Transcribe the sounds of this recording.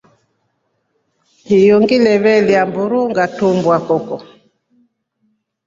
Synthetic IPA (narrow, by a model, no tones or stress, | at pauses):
hijɔŋɡilɛβɛliambuɾuŋɡatumbwakɔkɔ